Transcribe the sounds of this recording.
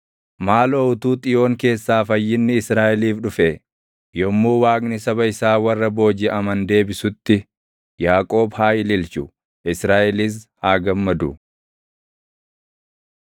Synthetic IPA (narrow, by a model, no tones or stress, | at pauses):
maːlɔwt̪uːt̪ʼɪjo̞ːŋke̞ːsːaːfɐjːɪnːɪːsɾaːʔɛliːfᶑʊfeː | jɔmːuːwaːknɪsɐbɐɪsaːwɐrːɐbo̞ːd͡ʒɪʔɐmɐnd̪e̞ːbɪsʊt̪ːɪ | jaːkʼo̞ːbhaːjɪlɪlt͡ʃʊ | ʔɪsɾaːʔɛlis̬haːɡɐmːɐd̪ʊ